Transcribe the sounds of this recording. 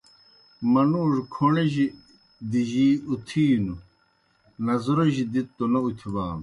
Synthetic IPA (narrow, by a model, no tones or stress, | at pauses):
mɐnuːʐkʰoɳeʑi | d̪iʑiːut̪ʰiːnu | nɐzuɾɐʑid̪itt̪ːonɐut̪ʰibaːm